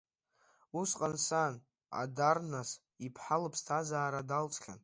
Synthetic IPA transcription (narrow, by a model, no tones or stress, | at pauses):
usqʼansan | a̰darnas | ipʰħalɨpʰstʰazaːɾadalt͡sʼkʰʲa̰n